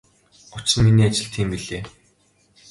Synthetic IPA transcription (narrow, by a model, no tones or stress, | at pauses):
ʊt͡ɕɘ̆nminiːat͡ɕɪ̆ɮt̪ʰiːmpiɮeː